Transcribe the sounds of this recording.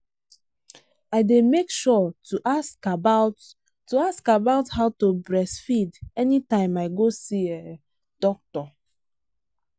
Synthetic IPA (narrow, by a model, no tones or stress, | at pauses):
aɪdemekʃɔuʔaskaba | tuaskabaʊthaʊtubɹɛsfidɛnitãɪ̃maɪɡosie | d̥ɔk̚tɔ